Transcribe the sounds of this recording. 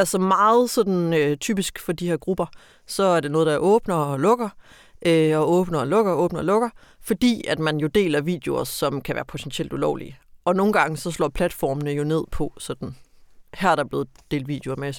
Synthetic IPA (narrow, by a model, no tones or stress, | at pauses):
ælsəmɑ̈ːð̞̩ˠsɒ̽d̥n̩øt͡sʰy̰ːb̥isɡ̥fɒ̽d̥iheɐɡ̥ʁub̥ɐ | sɒ̽æɐd̥e̝nɔːð̞ˠd̥ɑʔɔ̽ːb̥nɐɒlɔ̽ɡ̥ɐ | ʔøɒɔ̽ːb̥nɐɒ̽lɔ̽ɡ̥ɐɔ̽ːb̥nɐɒlɔ̽ɡ̥ɐ | fɒ̽d̥ḭːæd̥mænjo̝d̥e̝̰ːlɐʋḭːd̥jeo̝ɐsɒ̽mkʰæʋæːɐpʰo̝t͡sʰent͡sʰiel̰d̥ulɒʊlḭəʔɒ̽no̝ːn̩ɡ̥ɑ̈ŋəsɒ̽slɒ̰ːpʰlæd̥fɒ̰ːmənəjo̝ne̝ð̞̰ˠpʰɒ̽sɒ̽d̥n̩hæɐæɐdɾɑb̥le̝ːð̩ˠd̥e̝ːld̥ʋḭːd̥jeoɐmesi̥